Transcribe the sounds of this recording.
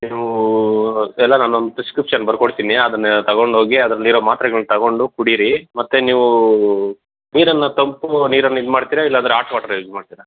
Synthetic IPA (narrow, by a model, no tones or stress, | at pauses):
niːʋu | ɛlːɐnaːnuond̪up̪eskɾipːʂɐnbɐɾkoɽt̪iniɐd̪ɐnːt̪ɐɣo̞ɳɖʱɦo̞ːɡiɐd̪ɐɾɐlːiːɾoːmaːt̪ɾɐɡɐɭnit̪ɐɡo̞ɳɖukuɽiɾimɐt̪ːeniːʋu | niːɾɐnːɐt̪ɐmpuniːɾɐnːid̪maːɖt̪iːɾailːaːnd̪ɾeaːɾʈʋaːʈɐɾed̪maːɖt̪iːɾa